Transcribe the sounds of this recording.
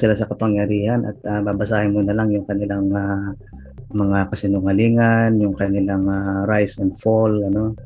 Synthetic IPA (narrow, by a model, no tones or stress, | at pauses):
sɪlasɐkɐpɐŋjɐɾiːhanʔɐ̰t̪̚ababɐsaːhɪnmʊnɐlaŋjʊŋkɐnɪlaŋa | mɐŋakɐsɪnʊŋɐliːŋanjʊŋkɐnɪlaŋaɾajsɛnd̪folɐno̞